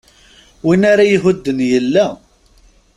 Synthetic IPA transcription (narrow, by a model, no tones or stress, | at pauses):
winaɾajɦʊd̪ːənjəlːæ